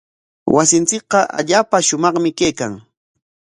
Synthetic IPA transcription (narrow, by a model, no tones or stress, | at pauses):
wasɪnt͡sɪk̚qɑʔa̰ʎaːpaʃʊmɑχmɪkejkaŋ